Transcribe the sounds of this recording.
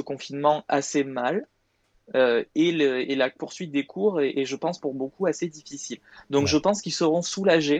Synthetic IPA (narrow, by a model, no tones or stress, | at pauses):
əkɔ̃finmɑ̃asemal | øeləelapuʁsɥit̪̚d̪ekʰuʁeʔeʒəpɑ̃spuʁbokuased̪ifisil | d̪ɔ̃kʒəpɑ̃skilsəʁɔ̃sulaʒe